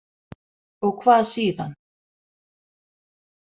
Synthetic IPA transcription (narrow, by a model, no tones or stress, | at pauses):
ɔɣkʰvaːðsiːðan